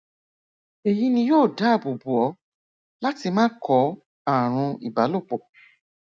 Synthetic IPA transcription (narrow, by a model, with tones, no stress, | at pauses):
e˨ji˦nĩ˧joː˦˨da˦˨bu˨bu˨ɔ˨˦ | la˦ti˧mãː˦kʰɔ˨˧˦ | a˨ɾ̃ũ˧ḭ˨ba˨˦lo˦˨k͡po˨